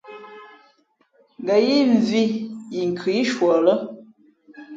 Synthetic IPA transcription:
ŋ˨ɡə˨ji˦ɱ˨vi˦ji˨ŋ˨kʰi˨˦ʃwɔ˨lə˦

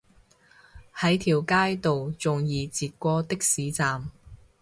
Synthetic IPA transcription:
hɐ˨˥jt̪ʰiː˨wkaː˥jt̪o˨wt͡sʊ˨ŋjiː˨˧t͡siː˨t̚kʷɔː˥t̪ɪ˥k̚siː˨˥t͡saː˨m

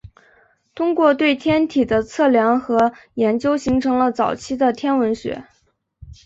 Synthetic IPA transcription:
t̪ʰʊ˥ŋkwɔ˥˧t̪̬we˥˩ɪt̪ʰjɛ˥nt̪ʰi˨˩d̪ə˦t͡sʰɤ˥˩ljɑ˧˥ŋxɤ˧˥jɛ˧˥nt͡ɕjo˥ʊɕi˧˥ŋʈ͡ʂʰɤ˧˥ŋlə˧t͡sɑ˨˩ʊt͡ɕʰi˥d̪ə˨t̪ʰjɛ˥nwə˧˥nɕɥɛ̰˧˥

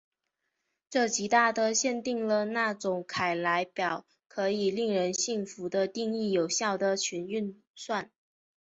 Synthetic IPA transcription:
ʈ͡ʂɤ˥˩t͡ɕi˧˥t̪a˥˩d̪ə˨ɕjɛ˥˧nt̪i˥˩ŋlə˨˩na˥˩ʈ͡ʂʊ˨˩ŋkʰa˨˩ɪla˧˥ɪpjɑ˨˩ʊ | kʰɤ˧˥i˨˩li˥˩ŋɻə˧˥nɕi˥˩ŋfu˧˥d̪ə˧t̪i˥˧ŋi˥˩jo˨˩ʊɕjɑ˥˩ʊd̪ə˩t͡ɕʰy˧˥ny˥˧n | swa˥˩n

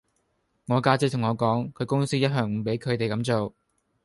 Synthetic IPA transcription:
ŋɔː˨˧kaː˥t͡sk̚t̪ʰŋɔː˨˧kɔː˨˥ŋkʰɵ˨˧ɥkʊ˥ŋsiː˥jɐ˥t̚ɦœː˨˩ŋ̩˨˧pe˨˥jkʰɵ˨˧ɥt̪e˨jkɐ˨˧˥mt͡so˨w

